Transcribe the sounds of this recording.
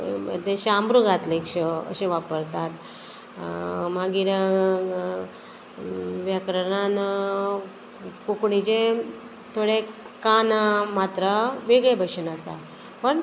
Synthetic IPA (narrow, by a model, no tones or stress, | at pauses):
ə̰d̪eɕambɾuɡat̪lekʂəə̰ɕẽʋapəɾt̪at̪ | maɡiɾə | ʋjakɾəɽan | kukɳit͡ɕẽ | t̪ʰoɽe | kanamat̪ɾəʋeɡɭebʱəɕənasa̰ | pəɳ